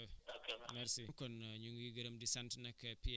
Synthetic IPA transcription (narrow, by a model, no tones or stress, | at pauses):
okemɛɾsikɔnɲuŋɡiɡɐɾɐmdisɐntnɐkːɐpi